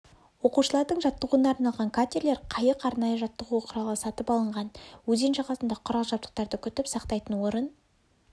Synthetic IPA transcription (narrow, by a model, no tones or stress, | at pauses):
wo̞quʃəlˠɑɾd̪əɴʒɑt̪ːəʁuənɑːɾnɑlˠʁɑŋkʰat̪ʲeɾle̞ɾqʰɑjəqɑɾnɑjəʒɑt̪ːəʁuqʰʊɾɑlˠəsɑt̪əpɑlˠəɴʁɑnwɵzenʃɑʁɑsənd̪ɑqʰʊɾɑlˠəʒɑp̚t̪ə̥q̚t̪ɑɾd̪əkʲʰʏt̪ɪpsɑqt̪ɑjt̪ənwo̞ɾən